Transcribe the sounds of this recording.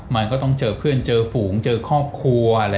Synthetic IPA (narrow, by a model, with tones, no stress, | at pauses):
ma˧nkɔː˥˩t̪ɔ˥˩ŋt͡ɕɤː˧pʰɯ˥˩ənt͡ɕɤː˧fuː˩˦ŋt͡ɕɤː˧kʰɔː˥˩p̚kʰu˧əəa˧ɾa˧